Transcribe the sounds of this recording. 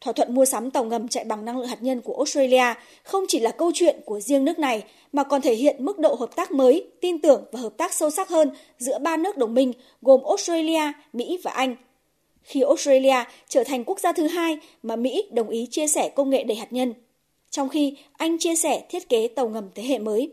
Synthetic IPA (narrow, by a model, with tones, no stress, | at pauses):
t̪ʰwaː˧˩t̪ʰwə̰˧˨nmu˧əsa˨˦mt̪ə˨˩wŋə˨˩mt͡ɕa̰ː˧˨jɓa˨˩ŋna˧ŋlɨ̰˧˨ŋhaː˨˩ɲə˧nku˧˩əʔo˦˥st̪ɹe˧li˧aː˧ | xə˧wŋ͡mt͡ɕi˧˩laː˨˩kə˧wt͡ɕwḭ˧˨ənku˧˩əzi˧əŋnɨ˦˥ək̚na˨˩j | maː˨˩kɔ˨˩nt̪ʰe˧˩ɦḭ˧˨ənmɨ˦˥k̚ɗo̰˧˨ɦəː˨˩p̚t̪aː˦˥k̚məː˨˦jt̪i˧nt̪ɨ˨˩əŋvaː˨˩ɦəː˨˩p̚t̪aː˦˥k̚sə˧wsa˦˥t̚həː˧n | zɨ̰˧˥əɓaː˧nɨ˦˥ək̚ɗə˨˩wŋ͡mmï˧ŋ̟ | ɣo˨˩mʔo˦˥st̪e˧jli˧aː˧ | mḭ˧˥vaː˨˩ʔa˧jŋ̟ | xi˧ʔo˦˥st̪e˧li˧aː˧t͡ɕəː˧˩t̪ʰa˨˩jŋ̟ku˦˥ək̚zaː˧t̪ʰɨ˨˦ɦaː˧jmaː˨˩mḭ˧˥ɗə˨˩wŋ͡mʔi˨˦t͡ɕi˧əsɛ˧˩kə˧wŋ͡mŋḛ˧˨ɗə˨˧˩haː˨˩t̚ɲə˧n | t͡ɕɔ˧wŋ͡mxi˧ | ʔa˧jŋ̟t͡ɕi˧əsɛ˧˩t̪ʰi˦˥ət̚ke˨˦t̪ə˨˩wŋə˨˩mt̪ʰe˨˦ɦḛ˧˨məː˨˦j